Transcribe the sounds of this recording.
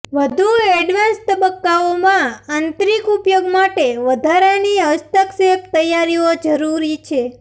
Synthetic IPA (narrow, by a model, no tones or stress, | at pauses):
ʋəd̪ʱueɖʋanst̪əbəkːaomãant̪ɾikupjoɡmaʈeʋəd̪ʱaɾeniəst̪əksept̪əjaɾiod͡ʒəɾuɾit͡ʃʰe